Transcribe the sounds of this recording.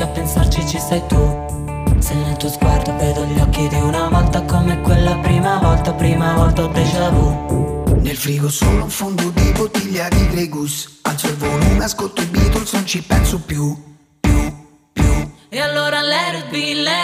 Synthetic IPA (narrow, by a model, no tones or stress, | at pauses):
apːensart͡ʃit͡ʃːisɛjt̪u | senːelt̪uozɡward̪ovɛd̪oʎːɔkːid̪iunavɔlt̪akomɛkːwelːapɾiːmavɔlt̪apɾiːmavɔlt̪auld̪ɛt͡ʃɛːvo | nelfɾiːɡosulːuɱfond̪ud̪ibot̪ːiʎːaɡiɡɾiɡusa̰lt̪soilvoluːmeaskolt̪ːoibiːt̪olsnont͡ʃipɛnsʊpju | pju | pju | ealːoːɾalɛɾbilː